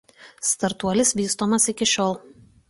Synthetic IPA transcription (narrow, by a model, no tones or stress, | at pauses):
st̪ɐɾt̪uɔlʲɪsʋʲiːst̪oːmɐsɪkʲɪʃʲɔːlˠ